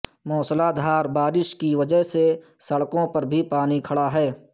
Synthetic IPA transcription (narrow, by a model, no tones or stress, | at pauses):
mɔːslad̪ʱaːɾbaːɾɪʃkiʋɐd͡ʒəɦse | sɐɽkõpɐɾbʱipaːnikʰɐɽaɦɛː